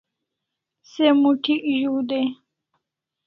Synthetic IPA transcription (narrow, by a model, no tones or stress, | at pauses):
semuʈʰiʔʑuːd̪e